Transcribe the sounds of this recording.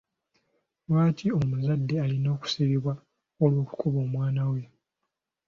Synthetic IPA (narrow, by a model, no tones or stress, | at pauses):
lwaːciomuzadːealino̞ːku̥siβiβwa | olwo̞ːku̥kuβo̞ːmwaːnawe